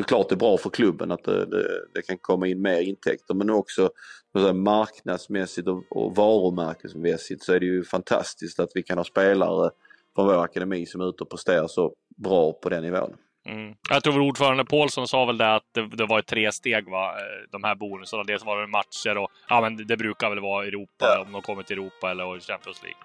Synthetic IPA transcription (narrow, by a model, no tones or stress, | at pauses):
sɔkʰlɑːʈ̚d̪ɛbɾɑːfœɾkʰlɵbːə̰nat̪̚d̪ɛ̰d̪ɛ̰d̪ɛkʰankʰɔmːaɪnːmeːɾɪnt̪ʰɛ̰k̚t̪əɾmɛnɔksɔɔmasɛamaɾknad̪smɛsɪt̪ɔɔ̰vɑːɾʊmæɾkəsmɛsɪt̪sɔæɖɛjɵfant̪ʰa̰st̪ɪskt̪at̪vɪkʰanhɑːspeːla̰ɾəfɾɔnvoːɾakad̪ɛmiːsɔmʉ̟ːt̪əɔpʰɾɛst̪eːɾaʂɔ | bɾɑːpʰɔd̪ɛnːɪvo̰ːə̰n | m̩ːɔjɑkt̪ʰɾuːvɾuːɖfœːɾand̪əpʰoːlsɔnsɑːvɛld̪ɛat̪̚d̪ɛd̪ɛvaɾɛt̪ʰːɾeːst̪eːɡvad̪ɔmhæːɾbuːnɵsənad̪ɛsɔvaɾɛmat̪ʂəɾɔ | ʔɑːmɛnd̪ɛbɾʉ̟ːkaɾvɛlvɑːɾaɛɾuːpaɔmd̪ɛhakʰɔmːɪt̪ʰɪɛɾuːpaɛlːəɾɕɛmpɪɔnslḭːɡ̥